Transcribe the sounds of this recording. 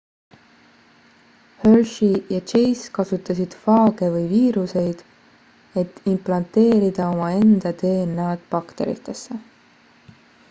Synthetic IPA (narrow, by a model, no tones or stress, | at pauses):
hølʃijɑt͡ʃe̞jskɑsut̪ːˑɑsid̪̥fɑːɡ̥e̞vɯjviːɾuse̞jd̪̥ | e̞t̪ːˑimplɑnt̪e̞ːɾid̪̥ɑo̞mɑe̞nd̪̥ɑt̪e̞ːnɑɑd̪̥pɑkt̪e̞̰ɾḭt̪ːˑe̞sːe̞